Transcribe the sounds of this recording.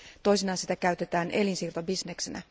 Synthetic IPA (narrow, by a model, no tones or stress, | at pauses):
t̪o̞jsinɑːsi̥t̪ækæyt̪e̞t̪æːnʔe̞linsiːrt̪obisneksenæ̰